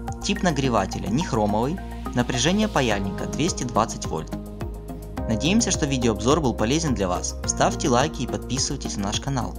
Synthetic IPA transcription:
tʲipnəɡɾʲɪva̰tʲɪlʲə̰nʲɪxɾo̞məvɨj | nəpɾʲɪʐɛnʲɪjəpɐjalʲnʲɪkəd̪vʲesʲtʲɪd̪vat̪sɨtʲvo̰lʲt̪ | nɐdʲejɪmsʲəʂt̪o̞vʲidʲɪoːbzo̞rbɨlˠpɐlʲezʲɪnd̪lʲɐva̰sfst̪afʲtʲɪlˠajkʲɪːpɐt̪̚pʲisɨvəjtʲɪsʲnnaʂkɐna̰lˠ

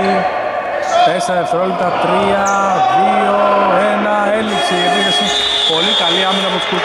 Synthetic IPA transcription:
i | t̪eseɾɐefθɾolit̪ɐt̪ɾiɐðioenɐelipsiepiðesi | po̞likɐliɐmenɐpot̪u̥skuɾ

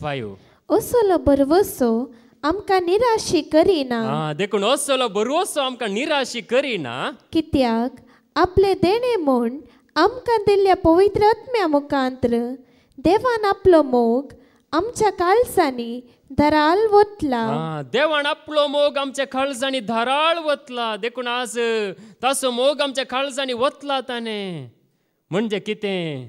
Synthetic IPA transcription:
bajṵ | əsolɔbəɾʋɔso | amkaniɾaɕikəɾinaɦad̪ekʰuːɳəsɔlɔbəɾʋɔsɔamkãniɾaɕikəɾina̰kit̪jak | apled̪eɽ̃emuɳ | amkãd̪iljapəʋit̪ɾəat̪mjamukãnt̪ɾə | d̪eʋanaplomoɡ | amt͡ɕjakalsani | d̪ʱəɾalʋot̪laad̪eʋanaplɔmoɡamt͡ɕjakʰals̬anid̪ʱəɾalʋət̪lad̪ekʰuːɳasət̪asɔmoɡamt͡ɕjakʰals̬añiʋət̪lat̪ane | m̤əɳd͡ʑekit̪ẽ

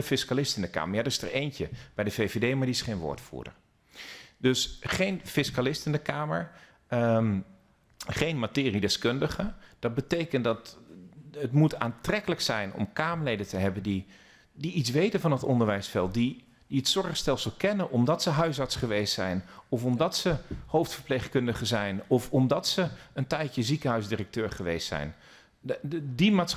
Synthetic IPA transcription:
əfɪskalɪstɪndəka̰ːməɹjadəɪstə̰ɹejncəb̥ɛjdəvejvedejmaɹdiɪsχejnʋo̰ːɹtfṵːdə̰ɹ | d̥ɵsχejnfɪskalɪstɪndəkaːməɹ | χejnmatɪːridɛskʏndəχəd̥ɑd̚bətejkəntdɑt | ətmutʰaːntrɛkələksɛjnɔ̰mkaːməɹlejdəntəɦɛbəndi | diisʋejtənvɑnətɔndəɹʋɛjsfɛlˠt̚di | d̥iətsɔɹχstɛlˠsəlˠkɛnəʔɔmdɑtsəɦœɥs̬ɑɹtsχəʋejstsɛ̰jnɔfɔmdɑtsəhowftfəɹplejχkɵndəχəzɛjnɔfɔmdɑtsəəntɛjtəzikəɦœɥzdirək̚tøːɹχəʋḛjstsɛ̰jn | dimats

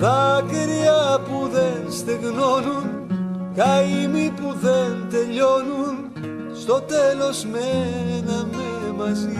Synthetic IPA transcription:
bakeɾiapuðenst̪eɣnonun | kajjmipuðent̪eʎonun | st̪ot̪elozmenamemazi

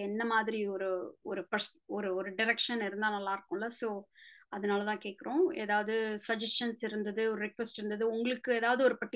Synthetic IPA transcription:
ɛnːɐmaːðɪɾiɔɾɯɔɾɯpɐsɔɾɯɔɾɯɖɪɾɛkʂɐnɪɾɯnd̪aːnɐlːaːɪɾɯkːʊ̃ɪlːɐsoːɐðɐnaːlɐt̪ãːkeːʈkɪɾõːḛːðaːʋɐðɯsɐd͡ʒɐsʂɐnsɪɾɯnd̪ɐðɯɔɾɯɾɪkʋɛsʈɪɾɯnd̪ɐðɯʊŋɡɐɭɯkːɯeːðaːʋɐðɯɔɾɯpɐʈːɪ

